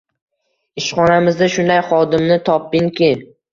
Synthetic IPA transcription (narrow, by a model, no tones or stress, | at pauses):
ɪʃχɒnamɪzd̪aʃʊnd̪ajχɒd̪ɪmnɪt̪ʰɒpːɪŋkʲɪ